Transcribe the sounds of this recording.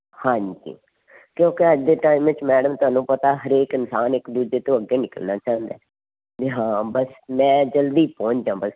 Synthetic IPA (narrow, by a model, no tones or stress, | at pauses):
hãːɲd͡ʒḭː | kjõːkɪəd͡ʒd̪eːʈaːimʋɪt͡ʃmɛːɖəmt̪ʊaːnũːpət̪aːɦəɾeːkɪnsaːnɪkd̪uːd͡ʒeːt̪õːəɡːeːnɪkəlnaːt͡ʃãːnd̪ḛː | d͡ʒeɦãːbəsmɛ̃ːd͡ʒəld̪iːpɔ̃ːɲt͡ʃd͡ʒãːbəs